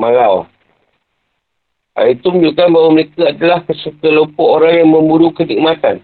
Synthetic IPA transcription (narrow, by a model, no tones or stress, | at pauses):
maŋaw | a̰it̪uməɲd͡ʒukanbaɦwaməɾekaadalahkəsuk̪ələmpɔʔoɾaŋjaŋmə̃muɾukənik̚mãt̪a̰n